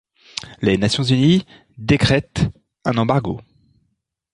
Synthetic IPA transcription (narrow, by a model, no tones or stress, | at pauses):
lenasjɔ̃zyni | d̪ekχɛt̪ | ɛ̃nɑ̃baʁɡo̰